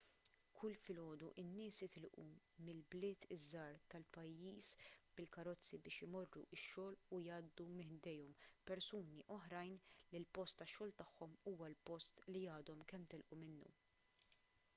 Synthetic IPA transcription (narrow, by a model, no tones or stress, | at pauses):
kʰʊlfɪlɔːd̪uʔɪnːɪːsɪt̪ɪlʔṵ | mɪlblɪːt̪ɪzːɐːɾt̪ɐlpɐjːiːsb̥ɪlkɐɾɔt͡sːibɪːʃɪmɔrːṵʔɪʃːɔːlʊjɐːd̪ːumɪħd̪ɛjɔmpɛɾsuːniʔɔħɾɐjnlilpɔst̪ːɐʃːɔːlt̪ɐħːɔmuːwɐlpɔst̪lijɐːd̪ɔmkɛmːt̪ɪlʔumɪnːṵ